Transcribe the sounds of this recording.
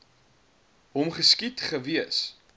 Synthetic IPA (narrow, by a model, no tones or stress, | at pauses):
ɦɔmχəskitχəviəs